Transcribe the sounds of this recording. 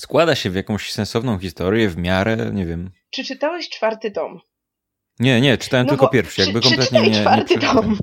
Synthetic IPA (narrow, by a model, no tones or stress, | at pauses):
skwad̪aɕɛvjakɔ̃w̃ɕsɛ̃nsɔvnɔ̃w̃xʲist̪ɔɾʲjɛvmʲjaɾɛ̰ɲɛvʲjɛm | t͡ʂɘt͡ʂɨt̪awɛɕt͡ʂfaɾt̪ɘt̪ɔm | ɲɛɲɛt͡ʂɨ̥t̪awɛmt̪ɪlkkɔpʲjɛɾfʂjaɡ̚bɘkɔmlɛt̪ɲɛɲɛaɾtʂt̪ɔm